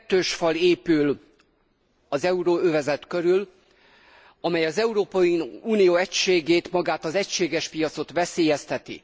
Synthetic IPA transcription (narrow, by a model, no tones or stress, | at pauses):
t̪ːøːʃfɒleːpyl | ɒzɛuɾoːøvɛzɛt̪køɾyl | ɒmɛjɒzɛuɾoːpɒjiuːnijoːɛcʃeːɡeːt̪mɒɡaːt̪ɒzɛcʃeːɡɛʃpijɒt̪so̞t̪ʋɛseːjɛst̪ɛt̪ḭ